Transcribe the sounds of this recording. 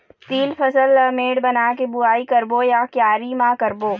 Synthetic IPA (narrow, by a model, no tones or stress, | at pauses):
t̪iːlfʰɐsələmeːɽbɐnaːkebʊaːikɐɾbojakjaːɾimãkɐɾboː